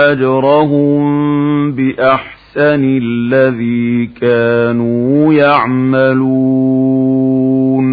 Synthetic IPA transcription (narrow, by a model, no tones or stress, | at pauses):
ad͡ʒɾˤɑɦʊmbɪʔaħsanɪlːaðiːkaːnuːjaʕmalu | n